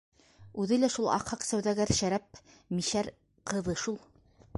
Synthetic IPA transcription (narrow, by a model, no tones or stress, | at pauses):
ʉðɘlæʃulˠɑ̰qhɑqsæwðæɡæɾʃæɾæp̚ | miʃæɾ | qʰɤ̆ðɤʃulˠ